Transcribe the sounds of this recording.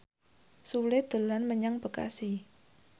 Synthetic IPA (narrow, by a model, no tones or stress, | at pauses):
suled̪̥ə̤lanməɲaŋb̥ə̤ka̰si